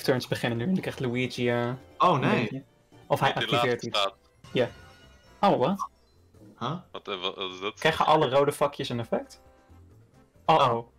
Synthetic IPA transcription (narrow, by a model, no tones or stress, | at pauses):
ftʰəɹnsbəχɪnənːyɛndkrɛχtluiziaowne | ɔfɦɛjʔɑkiɪːɹtit | ja | owwa | hattɪstkkrɛjχə̰ʔɑlərowdəfɑkʰjəsənɛfɛk̚t | oo